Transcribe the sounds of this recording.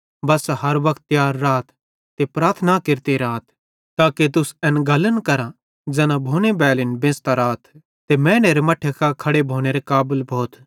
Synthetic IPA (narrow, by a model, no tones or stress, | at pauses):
bɐsɦɐɾʋɐkt̪̚ːjaːɾːaːt̪ʰ | t̪epɾaːɾt̪ʰnakɪɾt̪eɾaːt̪ʰ | t̪aːket̪̬ʊsɛ̃nɡɐlənkɐɾã | d͡ʒɛːnãbʱoːnebɛːlɪnbẽːst̪aɾaːt̪ʰː | emɛ̃ːneːɾemɐʈʰːekʰakʰɐɽebʱoːñeːɾekaːbəlbʱoːt̪ʰ